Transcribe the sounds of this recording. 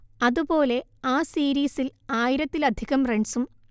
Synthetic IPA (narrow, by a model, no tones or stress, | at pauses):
ɐðubo̞ːle̞aːsiːɾiːsilaːjiɾɐt̪ːilɐd̪ʱiɣɐmreɳsum